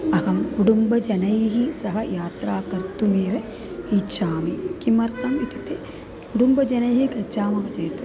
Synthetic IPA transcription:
ɐɣɐmkuɽumbɐd͡ʒɐnɐjɦisɐɦɐjaːt̪ɾaːkɐɾt̪umeːʋe | it͡ʃaːmikimɐɾt̪ɐmit̪it̪e | kuɽumbɐd͡ʒɐnɐjɦikɐt͡ʃaːmɐːɐt͡ʃeːt̪u̥

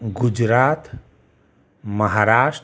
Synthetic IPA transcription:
ɡud͡ʒɾaːt̪ | mɐɦaɾaːʂʈ

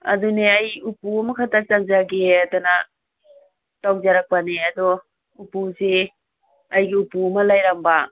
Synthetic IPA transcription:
a̰duneajupuɐmɐkʰatat͡ʃaŋzaɡeatana | tawzaɾak̚paneadɔ | upuze | ajɡiupuɐmɐlajɾamba

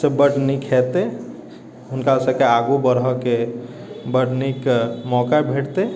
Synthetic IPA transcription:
sebəʈnikʰɛt̪e | ɦʊnkasəkeaɡubəɾɦɔke | bəʈnikmɔkabʱeʈt̪e

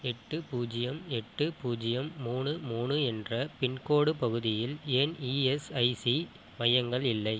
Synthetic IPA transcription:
ɛʈːɯpuːd͡ʒɪjɐmɛʈːɯpuːd͡ʒɪjɐmːuːnɯmuːnɯɛndrɐpɪɳkoːɽɯpɐɣɯðɪjɪleːniːɛsɐɪsi | mɐjɐŋɡɐɭɪlːɐɪ

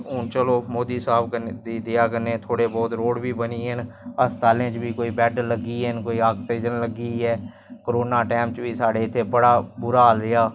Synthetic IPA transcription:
ɦʊnt͡ʃəloːmoːd̪iːsaːbkəd̪iːd̪eːaːkəneːt̪ʰoːɽeːbɔːt̪ɾoːɽbiːbəniːɦənəst̪ʰaːlẽːt͡ʃbiːkoːiːbɛːɖləɡiːɦənkoːiːaːksiːd͡ʒənləɡiːɛː | kəɾoːnaːʈɛːmt͡ʃʋiːsaːɖeːɪt̪ʰːeːbəɽaːbʊɾaːlɪjaː

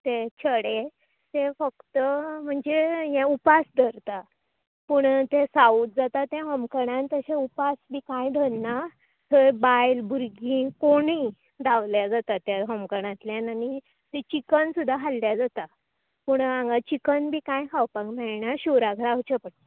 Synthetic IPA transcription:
t̪et͡ɕʰəɽe | t̪efəkt̪əm̤əɳd͡zejɛ̃upasd̪ʱəɾt̪a | puːɳt̪esaut̪̚d͡zat̪at̪jãɦəmkəɽãnt̪əɕẽupasbʱiːkãjɖʱənna | t̪ʰəbajlbʱuɾɡĩkoɽi | d̪aʋljad͡zat̪at̪jaɦəmkəɽ̃ãt̪ljanani | t̪et͡ɕikənsud̪ʱːaɦalːjad͡zat̪a | puɳãŋɡat͡ɕikənbʱiːkãjkʰawpakmɛɭɳaɕuɾaɡʱɾaɦt͡ɕəpəʈ̪

